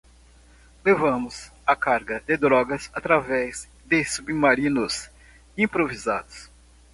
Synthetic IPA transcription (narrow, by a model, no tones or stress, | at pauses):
levɐ̃mʊsɐkaɾɡɐd̪ɪd̪ɾɔɡɐsat̪ɾavɛz | d̪ɪsubimaɾĩnʊs | ĩpɾovizad̪ʊs